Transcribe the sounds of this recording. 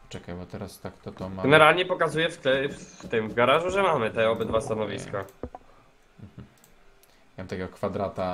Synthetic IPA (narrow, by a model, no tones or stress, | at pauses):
t͡ʂɛkajbɔt̪ɛɾast̪akt̪ɔt̪ɔmaɡɛnɛɾalɲɛpɔkazujɛft̪ɛft̪ɘmvɡaɾaʐuʐɛmamɘt̪ɛɔbɘd̪vast̪anɔvʲḭska | m̩ | jamamt̪akʲɛɡɔkfad̪ɾat̪a